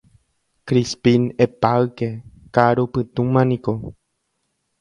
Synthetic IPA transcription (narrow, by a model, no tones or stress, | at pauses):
kɾispĩnepawke | kaɾupɨt̪ũmãnĩko